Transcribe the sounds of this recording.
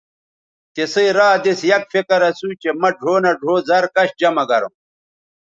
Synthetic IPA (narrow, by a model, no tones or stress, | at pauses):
t̪esɐjɾaːd̪esjɐkfekɐɾɐsut͡ɕemɐɖʱoːnɐɖʱoːzɐɾkɐɕd͡ʑɐmɐɡɐɾo̰m